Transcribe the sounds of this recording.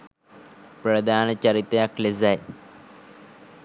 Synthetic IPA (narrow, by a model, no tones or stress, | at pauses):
prɐd̪ʱaːnɐt͡ɕɐrit̪ːɐjaklezaj